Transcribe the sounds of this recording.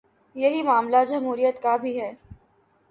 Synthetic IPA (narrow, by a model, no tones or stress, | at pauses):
jɐɦimaːmlad͡ʒɐmɦuːɾijət̪kabʱiɦɛː